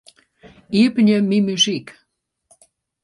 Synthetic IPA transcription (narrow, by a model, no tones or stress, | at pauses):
ipnʲĕmimyʒik